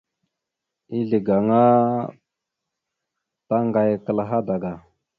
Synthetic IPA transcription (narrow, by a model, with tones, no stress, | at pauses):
i˦ɮi˨ɡa˨ŋa˦ | ta˦ŋɡa˨jkə˨lɦa˦da˨ɡa˨